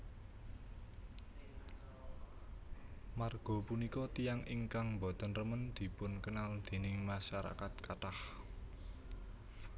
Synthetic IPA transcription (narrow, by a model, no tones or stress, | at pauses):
marɡ̥ɔ̤punikɔt̪ijaŋʔiŋkaŋmbɔt̪ɔnrəmənd̪̥i̤pʊnkənald̪̥e̤nɪŋmaʃaɾa̰kat̪̚kaʈah